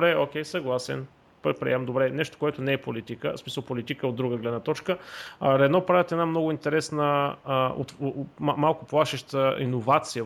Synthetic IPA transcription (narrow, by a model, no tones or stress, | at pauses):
ɾɛokʲɛjsɐɡlˠasɛ̰n | pɾɛt̪̚pɾḭɛmd̪obɾɛnɛʃt̪o̥koɛt̪ʊnɛɛpolit̪ikəsmisəlˠpolit̪ikəod̪ɾuɡəɡlɛd̪nət̪ɔt͡ʃkəɾɛnɔpɾavɛt̪ɛd̪namnɔɡʊint̪ɛɾɛsnəo̰t̪malˠkʊplˠaʃɛʃt̪əḭnovat̪sijə